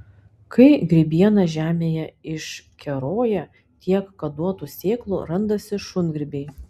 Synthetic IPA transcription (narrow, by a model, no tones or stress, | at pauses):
kɐɪɡɾʲɪbʲiɛnɐʒʲæːmʲeːjɛɪʃkʲɛɾoːjɛ | t̪ʲiɛkːɐd̪uɔt̪uːsʲeːklˠṵɾɐnd̪ɐsʲɪʃʊnɡɾʲɪbʲeɪ